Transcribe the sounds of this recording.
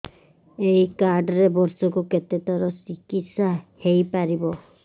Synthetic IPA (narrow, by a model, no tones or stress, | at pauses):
ejkaɾɖɔɾebɔɾsɔkuket̪et̪ɔɾɔsikit̪sahejpaɾibɔ